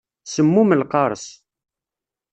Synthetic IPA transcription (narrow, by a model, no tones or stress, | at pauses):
səmːuməlqɑɾˤəs